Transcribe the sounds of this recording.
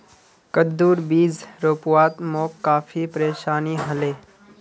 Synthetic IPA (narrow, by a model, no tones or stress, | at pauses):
kəd̪ːuːɾbiːzɾoːpʊwaːt̪moːkːaːfʰipɾeːʃaːniɦɐleː